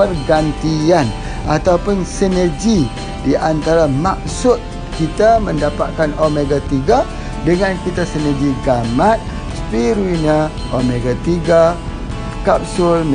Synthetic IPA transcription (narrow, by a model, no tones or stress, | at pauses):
pərɡant̪ian | ʔat̪aupʊnsinərɡi | diʔant̪aɾamak̚sʊt̪̚ | kit̪aməndapat̪̚kanomeɡat̪iɡa | dəŋankit̪asinərɡiɡamat̪̚ | spiɾuina | omeɡat̪iɡa | kap̚sʊlm